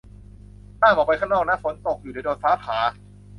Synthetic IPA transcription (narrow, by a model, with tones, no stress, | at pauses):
t̪aː˥˩ʔɔː˨˩pa˧jkʰa˥˩nɔː˥˩k̚na˦˥fo˩˦nt̪o˨˩k̚juː˨˩naː˧jdoː˧nfaː˦˥pʰaː˩˦